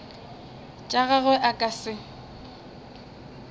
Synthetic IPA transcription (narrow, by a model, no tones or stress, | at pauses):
t͡ʃʼaɣaɣʊʔakʼasɪ